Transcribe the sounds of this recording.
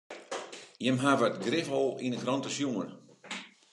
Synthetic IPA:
jəmɦavətɡrɪfɔlˠinəkrɔntəsjuən

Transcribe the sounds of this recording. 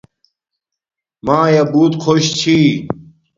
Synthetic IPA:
maːjɐbuːt̪kʰoɕt͡ɕʰi

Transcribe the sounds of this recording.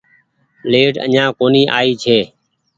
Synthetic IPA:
leːʈə̰ɲãːkoːniːʔa̰ːiːt͡ʃʰeː

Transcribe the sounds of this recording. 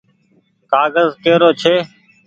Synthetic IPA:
kaːɡəzkeːɾoːt͡ʃʰeː

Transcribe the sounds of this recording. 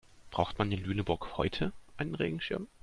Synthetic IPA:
b̥ʁa̰ʊxtmandɪnlyːnəbʊɐkhɔʏtʰəʔaɪnənʁḛːɡŋ̩ʃɪɐm

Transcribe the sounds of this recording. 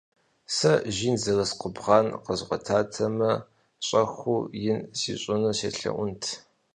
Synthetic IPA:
sɐʒiːnzɐrɐsqʷʊbʁɑːnqəzʁʷɔtʰaːtʰɐmɐ | ɕʼɐxʷuːjɪnsiːɕʼʊnuɕḛːɬɐ̰ʔʷʊntʰ

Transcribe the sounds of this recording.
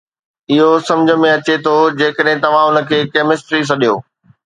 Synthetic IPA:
ɪɦosɐ̃md͡ʑʱə̆mẽɐt͡ɕet̪ʰod͡ʑeːkəɗɦẽt̪ɐʋ̤ãʊnə̆kʰeːkeːmɪsʈɾis̬ɐɗijoː

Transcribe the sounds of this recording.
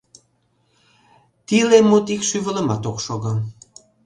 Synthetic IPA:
t̪ilemot̪ikʃyβələ̆mɑt̪okʃoɣɤ

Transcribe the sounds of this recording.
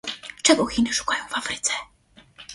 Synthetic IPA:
t͡ʂɛɡɔxʲinɘʂu̥kajɔ̃w̃vafɾɘt̪sɛ

